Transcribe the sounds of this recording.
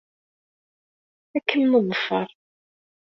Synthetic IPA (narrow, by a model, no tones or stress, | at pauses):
ækːənmʊðˤəfːɑɾˤ